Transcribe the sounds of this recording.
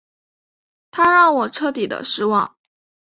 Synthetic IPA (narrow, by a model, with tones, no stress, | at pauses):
t̪ʰa˥ɻɑ˥˩ŋwɔ˨˩ʈ͡ʂʰɤ˥t̪i˨˩d̪ə̰˦ʂɻ̩˥˧wɑ̰˥˩ŋ